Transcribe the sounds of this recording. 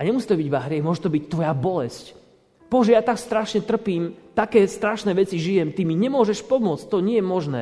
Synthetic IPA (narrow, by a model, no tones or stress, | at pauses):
aɲɛmusi̥ːt̪ɔbiɟʋaɦɾɪɛmʊɔʒɛt̪ɔbict̪ʋɔjabɔlɛsc | b̥ɔʒɛjat̪akst̪ɾaʃɲɛt̪r̩piːmt̪akɛːst̪ɾaʃnɛːʋɛt͡siʒijɛmt̪imiɲɛmʊɔʒɛʃpɔmʊɔt͡scʲt̪ɔɲɪɛjɛmɔʒnɛ̰ː